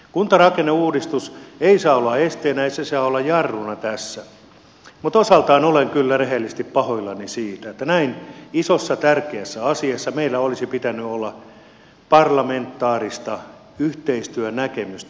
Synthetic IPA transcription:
kunt̪ɑrɑkenːeuːdist̪useisɑːolːɑest̪eːnæeisesɑːolːɑjjɑrːunɑt̪æsːæ | mut̪osɑlt̪ɑinoleŋkylːæreɦelːist̪ippɑhoilːɑnisiːt̪æet̪ːænæinisosːɑt̪ærkeæsːæɑsiɑsːɑmeilːæolisipit̪ænːyolːɑ | pɑrlɑment̪ːɑːrist̪ɑ | yht̪eist̪yønækemyst̪

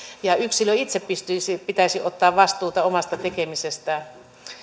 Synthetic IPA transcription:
jɑyksiløit̪seppist̪ysipit̪æisiʔot̪ːɑːʋʋɑst̪uːt̪ɑomɑst̪ɑt̪ekemisest̪æ

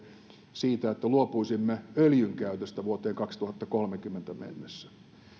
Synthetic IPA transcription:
siːt̪æet̪ːæluopuisimːeøljyŋkæyt̪øst̪æʋuot̪eːŋkɑkst̪uhɑt̪ːɑkolmekymːent̪æmḛnːesːæ̥

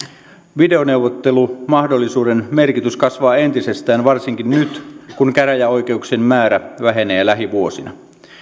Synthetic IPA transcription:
ʋide̞one̞uwʋot̪ːe̞lumɑhdolːisuːdenme̞rkit̪yskɑsʋɑːe̞nt̪ise̞st̪æːnʋɑrsiŋkinnyt̪kunkæɾæjæo̞jk̟e̞uksemmæːɾæʋæɦe̞ne̞ːlæɦiʋuo̞sinɑ̰

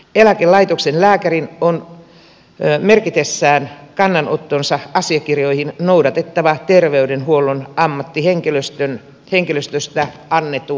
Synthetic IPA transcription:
elækelɑit̪oksenlæːkærinon | merkit̪esːæːnkɑnːɑnot̪ːonsɑʔɑsiɑkirjoihinnouwdɑt̪et̪ːɑʋɑt̪erʋeydenhuolːˑonɑmːɑt̪ːiheŋkeløst̪øn | heŋkiløst̪øst̪æ | ɑnːet̪ːu

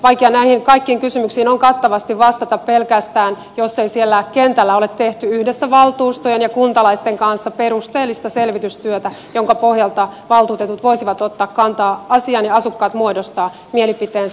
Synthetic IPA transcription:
ʋɑikjɑnæihiŋkɑikːiːŋkysymyksiːnoŋkɑt̪ːɑʋɑst̪iʋʋɑst̪ɑt̪ɑppelkæst̪æːn | josːeisielːækent̪ælːæo̞let̪teht̪yyhdesːæʋɑlt̪uːst̪ojenjɑkunt̪ɑlɑist̪eŋkɑnsːɑpeɾust̪eːlːist̪ɑselʋit̪yst̪yøt̪æjoŋkɑpohjɑlt̪ɑʋɑlt̪uːt̪e̞t̪ut̪ʋo̞isiʋɑt̪ot̪ːɑːkkɑnt̪ɑːɑsiɑnjɑɑsukːɑːt̪muodost̪ɑː | mielipit̪eːns

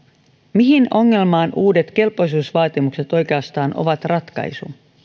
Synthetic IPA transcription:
miɦino̞ŋːe̞lmɑːnʔuːde̞t̪k̟e̞lpojs̬uːsʋɑːt̪imukse̞t̪o̞jke̞ɑst̪ɑːnʔo̞̰ʋɑt̪rɑt̪kɑ̰jsṵ

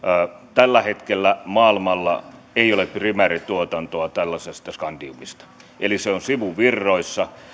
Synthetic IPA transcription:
t̪ælːæhet̪kelːæmɑːilmɑlːɑ̰ | eiolepprimæːrit̪uot̪ɑnt̪oɑt̪ælːɑsest̪ɑskɑndiumist̪ɑ̥ | ʔeliseonsiʋuʋirːoisːɑ

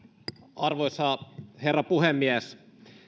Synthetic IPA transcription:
ɑrʋojsɑherːɑpuhemːiæs

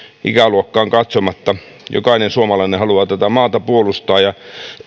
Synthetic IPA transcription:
ʔḭkæluokːɑːŋkɑt̪somɑt̪ːɑ | jo̰kɑinensuomɑlɑinehɑluɑt̪æt̪æmɑːt̪ɑpuolust̪ɑːjjɑ

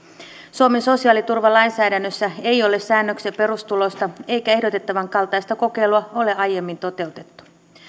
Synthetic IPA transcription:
suomeso̞siɑːlit̪urʋɑlɑjnsæːdænːøsːæe̞io̞le̞ssæːnːøksepe̞ɾust̪ulo̞st̪ɑe̞jkæe̞ɦdot̪e̞t̪ːɑʋɑŋkɑlt̪ɑjst̪ɑko̞ke̞jluɑo̞le̞ʔɑje̞mːint̪o̞t̪e̞ut̪e̞t̪ːu̥

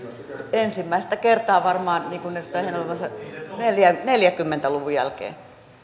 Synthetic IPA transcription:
ensimːæist̪ækert̪ɑːʋɑrmɑːnniːŋkunnest̪æhenolemɑsɑneljæneljækymːent̪æluʋujæ̰lkḛː

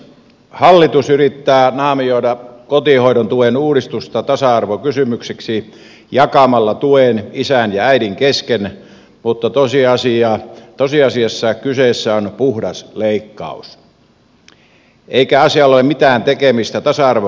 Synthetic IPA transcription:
hɑlːit̪usyrit̪ːæːnɑːmioˑidɑkot̪ihoiɾont̪uenuːɾist̪ust̪ɑt̪ɑsɑɑrʋokysymykseksi | jɑkɑmɑlːɑt̪uenisænjɑæiɾiŋkesken | mut̪ːɑt̪osiɑsiɑt̪osiɑsiɑsːɑkyseˑsːæonpuhdɑsleikːɑ̰ˑus | ʔeikæɑsiɑlːolemit̪æːnt̪ekemist̪æt̪ɑsɑɑrʋo

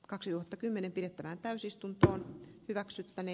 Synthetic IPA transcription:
kɑksit̪uhɑt̪ːɑkymːenempiɾet̪ːæʋæːnt̪æysist̪unt̪oːnhyʋæksyt̪ːæne

